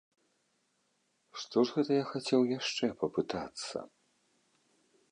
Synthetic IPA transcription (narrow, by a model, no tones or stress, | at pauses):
ʂt̪ɔʐɣɛt̪ɐjaxat͡sʲɛwjaʂt͡ʂɛpɐpɨt̪at̪sːɐ̰